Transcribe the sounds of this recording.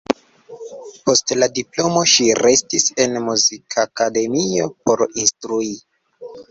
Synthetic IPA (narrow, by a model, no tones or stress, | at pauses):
po̞stladiplo̞mo̞ʃiɾe̞stise̞nmuzikʰakade̞mio̞po̞ɾinstɾui